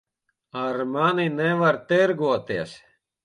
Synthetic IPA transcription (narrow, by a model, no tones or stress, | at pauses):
aɾmaninɛʋaɾt̪eɾɡuɔt̪iɛs